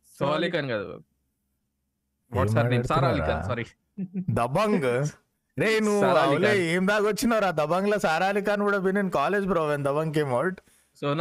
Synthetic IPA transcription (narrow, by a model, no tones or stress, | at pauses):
sɔalikanɡad̪ṵ | ʋɔsaɾnisaɾaːlika̰nsɐɾi | d̪ɐbɐŋɡ | ɾeːinuaɐlwleeːmd̪aːɡot͡ʃːinɐʋɾaːd̪ɐbɐŋɡlɐsaːɾaːlik̬aːnkuːɽɐbininkaːleːd͡ʒbiɾoʋend̪ɐbɐŋɡk̬eːmɐwɭʈ | son